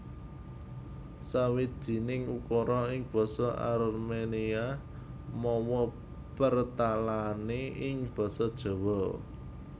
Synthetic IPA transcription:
sawid̪̥̚ʒ̥i̤nɪŋukɔɾɔɪŋb̥ɔ̤sɔʔa̰ɾmenia | mɔwɔ | pərt̪alaneɪŋb̥ɔ̤sɔd̥ʒ̥ɔ̤wɔ

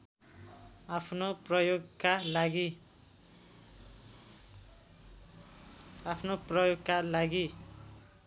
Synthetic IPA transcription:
apʰnoprʌjoɡkalaɡi | apʰnoprʌjoɡkalaɡi

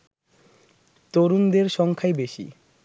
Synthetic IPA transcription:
t̪oɾund̪eɾʃɔŋkʰaebeʃḭ

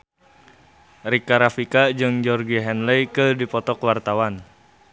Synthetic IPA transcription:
rikaɾafikad͡ʒɨŋd͡ʒɔrɡiɦɛnlɛjkɨdipɔt̪ɔkwart̪awan

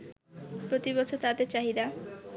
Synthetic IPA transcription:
pɾot̪ibɔt͡ɕʰot̪ad̪eɾt͡ɕaɦid̪a

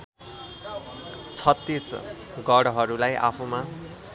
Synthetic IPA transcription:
t͡sʰʌt̪ːis | ɡʌɽɦʌɾulajʔa̰pʰuma

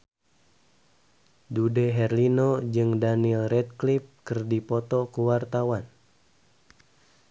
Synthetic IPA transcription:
dudɛɦɛrlinod͡ʒɨŋdanilrɛt̪̚klip̚kɨrdipɔt̪ɔkuwart̪awan

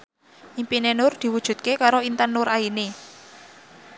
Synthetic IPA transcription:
ʔimpinenʊrd̪̥i̤wud̥ʒ̥ṳt̪̚kekaɾoint̪ənʊɾaine

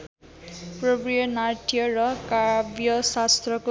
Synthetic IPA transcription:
prʌprijʌnaʈijʌrʌkabjʌsast̪rʌko

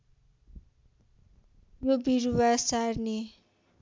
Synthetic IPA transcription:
jobiɾuwasarne

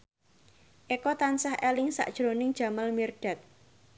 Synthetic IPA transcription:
ʔekɔt̪ansahʔelɪŋsa̰ʔd̥ʒ̥ɾonɪŋ̥ʒ̥a̤malmirɖ̥a̤t̪̚

